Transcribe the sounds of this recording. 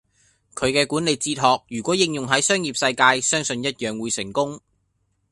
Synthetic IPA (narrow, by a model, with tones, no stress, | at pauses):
kʰɵ˨˧ɥkɛː˧kuː˨˥nle˨jt͡siː˧t̚ɦɔː˨k̚jyː˨˩kwɔː˨˥jɪ˧ŋjʊ˨ŋɦɐ˨˥jsœː˥ŋjiː˨˩p̚sɐ˧jkaː˧jsœː˥ŋsɵ˧njɐ˥t̚jœː˨ŋwuː˨˧jsɪ˨˩ŋkʊ˥ŋ